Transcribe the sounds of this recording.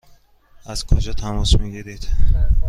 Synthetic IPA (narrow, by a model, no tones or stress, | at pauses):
az̥kʰod͡ʒʰat̪ʰamɔsmeɡʲed̪ed̪